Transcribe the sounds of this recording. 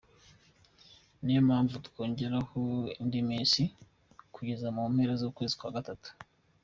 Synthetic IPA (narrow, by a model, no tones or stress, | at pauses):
nijomhaːɱvutu̥ko̞ːɲɟe̞ɾaho̞indimiːnsi | kuɟe̞zamuomeɾezoːkwe̞ːzikwaːɡatatu̥